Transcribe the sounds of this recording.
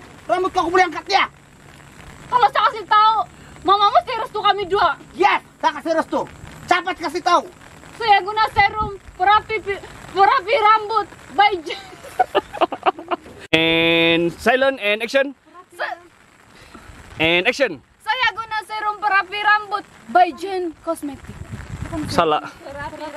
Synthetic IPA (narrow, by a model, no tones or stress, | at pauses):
rambʊt̪̚kakumuliaŋkat̪ia | kalosakasit̪au | mamaməst̪iɾəst̪ukamiduajɛssakasiɾəst̪ut͡ʃapat̪̚kas̬it̪au | sojaɡunasɛɾumpəɾapipipəɾapiɾambʊt̪̚bajd͡ʒən | ɛnsajlɔnɛnɛksɔn | ɛnɛksɔn | sojaɡunasɛɾumpəɾapiɾambʊt̪̚bajd͡ʒənkɔsmɛt̪ik̚ssala̰ʔ